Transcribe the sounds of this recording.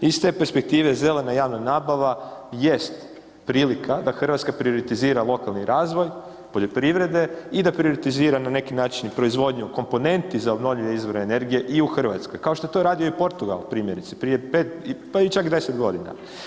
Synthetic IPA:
ist̪e̞ːpeɾspek̚t̪iːʋe̞ze̞le̞najaːʋnonaːbaʋaje̞st̪ | pɾiːlikʰad̪axr̩ʋat̪skapɾio̞ɾit̪iziːɾalˠo̞kalˠniɾaːzʋo̞j | poʎo̞pɾiʋɾe̞d̪e̞id̪apɾio̞ɾit̪iziːɾanane̞kinaːt͡ʃinpɾo̞izʋo̞d̪ɲuko̞mpo̞ne̞nt̪izaobno̞ʋʎiɲeizʋo̞ɾnene̞ɾɡije̞ʔiuxr̩ʋa̰t̪sko̞jkaoʃt̪o̞et̪o̞ɾaːd̪ijoipo̞ɾt̪uɡa̰lˠpɾiːmje̞ɾit̪si̥pɾije̞pet̪pait͡ʃakd̪e̞set̪ɡo̞d̪ina̰

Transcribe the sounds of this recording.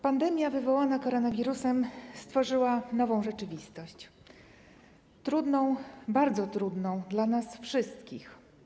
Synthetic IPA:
pand̪ɛmʲjavɘvɔwanakɔɾɔnavʲiɾusɛmst̪fɔʐɘwanɔvɔ̃w̃ʐɛt͡ʂɘvʲist̪ɔɕt͡ɕ | t̪ɾud̪nɔ̃w̃baɾd̪zɔt̪ɾud̪nɔ̃w̃d̪lanasfʂɘst̪kʲix

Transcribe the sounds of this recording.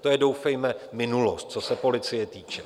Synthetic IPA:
t̪ojɛdo̞wfɛjmɛmɪnulost̪̚t͡sosɛpo̞lɪt͡sɪjɛt̪iːt͡ʃɛ̥

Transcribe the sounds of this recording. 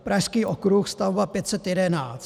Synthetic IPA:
pɾaʃskiːʔokɾuxst̪avobapjɛt̪sɛt̪jɛdɛnaːt͡s

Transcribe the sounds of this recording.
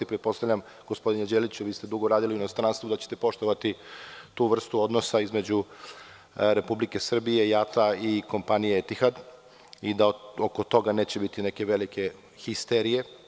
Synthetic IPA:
ipɾet̪̚po̞st̪aʋʎʲam | ɡ̥o̞spo̞d̪ined͡ʑeːlit͡ɕuʋiːst̪ed̪uɡoɾaːd̪iliuino̞st̪ɾaːnst̪ʋod̪at͡ɕe̥t̪epo̞ʃt̪o̞ʋat̪it̪uːʋr̩st̪uo̞d̪no̞saizme̞d͡ʑu | ɾe̞publike̞sr̩bije̞jat̪aiko̞mpanijeet̪ixad̪ | id̪aoko̞t̪o̞ɡane̞ːt͡ɕebit̪ine̞ke̞ʋe̞like̞ | xist̪eɾije̞

